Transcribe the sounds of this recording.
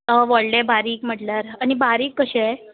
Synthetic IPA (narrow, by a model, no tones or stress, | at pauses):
əʋɔɭɖebaɾiːkm̤əʈlaɾañibaɾiːkːəɕɛ